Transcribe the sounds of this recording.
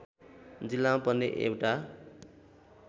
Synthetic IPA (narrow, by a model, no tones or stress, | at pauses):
d͡zilːampʌnːḛʔḛwʈa